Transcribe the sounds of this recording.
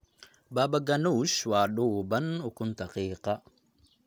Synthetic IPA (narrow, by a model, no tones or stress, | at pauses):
baːbaɡanuʃwaːɗubɐnʊkʊnt̪aqiːqɑ